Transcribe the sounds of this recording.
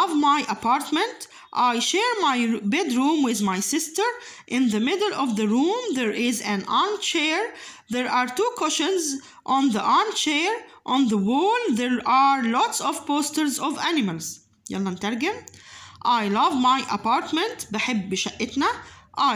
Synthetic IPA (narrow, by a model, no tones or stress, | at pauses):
vmajʔapɑːɾt̪mɛ̃nt̪ | ʔajʃeːɹmajbɛd̪ɹũːmwɪðmajsɪst̪əɹ | ʔɪ̃nðəmɪdlʔɔvðəɹũːmðeɹʔɪzæ̃nʔaɹnt͡ʃeːɹðɛɹʔaːɾt̪uːkʊʃɪ̃nz | ʔɔ̃nðəʔɑɹmtt͡ʃeːɹʔɔ̃nðəwoːlðeɹʔaːɹlɔt̪sɔvpoːst̪əɹzɔvʔænɪmalz̥ | ja̰lːɑnt̪æɾɡɪmʔajlʌvmajʔa̰pɑːɾt̪mɛ̃nt̪bɪħɪbːɪʃaʔɪt̪naʔa